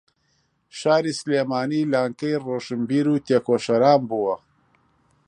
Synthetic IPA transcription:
ʃaːɾiːsleːmaːniːlaːŋkɐjroːʃɨmbiːɾuːt̪eːkoːʃɐɾaːmbuwɐ

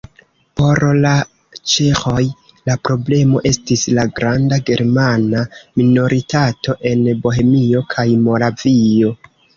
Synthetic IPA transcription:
po̞ɾla | t͡ʃexo̞j | lapɾo̞ble̞mo̞ʔe̞stislaɡɾandaɡe̞ɾmanamino̞ɾʔitatʰo̞ʔe̞nbo̞ɦe̞mio̞kʰajmo̞ɾavio̞

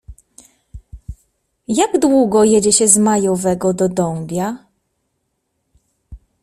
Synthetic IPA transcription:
jaɡd̪wuɡɔjɛd͡ʑɛɕɛzmajɔvɛɡɔd̪ɔd̪ɔmbʲja

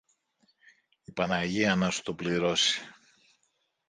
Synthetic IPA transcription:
ipɐnɐʝiɐnɐsu̥t̪opliɾo̞si̥

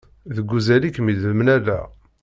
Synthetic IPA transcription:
ðəɡːuzælikːmiðəmnælæ̰

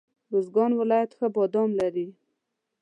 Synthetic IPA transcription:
ɾozɡɑnwɪlɑjat̪xəbɑd̪ɑmlaɾi

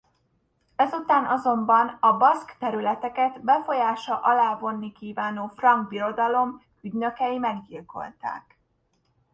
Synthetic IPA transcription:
ɛzut̪aːnʔɒzo̞mbɒnɒbɒskt̪ɛɾylɛt̪ɛkɛt̪bɛfo̞jaːʃɒʔɒlaːvo̞nːikiːvaːnoːfrɒŋɡbiɾo̞d̪ɒlo̞m | yɟnø̞kɛjimɛɡd̪ilko̞̰lt̪a̰ːk

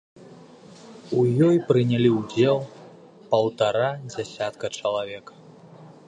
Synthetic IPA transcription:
ujɔjpɾɨnʲalʲiwd͡zʲɛlˠ | pɐwt̪aɾad͡zʲasʲat̪kɐt͡ʂɐlˠavʲɛk

